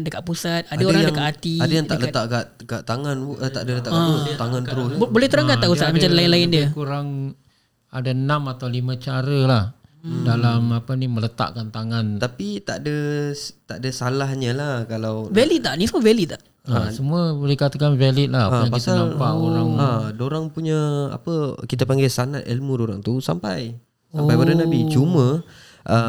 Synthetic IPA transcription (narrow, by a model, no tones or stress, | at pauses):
ndəkaʔpusat̪̚adaoɾɾaŋdəŋkaʔat̪iadajaŋt̪aʔlət̪aʔkaʔ | kat̪aŋanʔt̪a̰ʔdələt̪aʔat̪aŋant̪əɾʊsbolɛht̪əɾakat̪aʔpusat̪̚mat͡ʃanlaɪnlaɪndəkuɾaŋ | adanamat̪awlimãt͡ʃaɾəlah | dalamapənimələt̪a̰ʔkant̪aŋant̪apit̪aʔdat̪aʔdasalahɲəlahkalawvɛliaʔnisəmuəvɛlit̪aʔ | asəmuəbəlikat̪akanvalɪt̪̚laaaŋpaik̪anampaʔoɾaŋadoɾaŋpuɲəa̰pəkit̪əpaŋɡɛlsanat̪ilmudoɾaŋt̪usa̰mpaj | sampajbaɾənabit͡ʃumə̃ | ʔə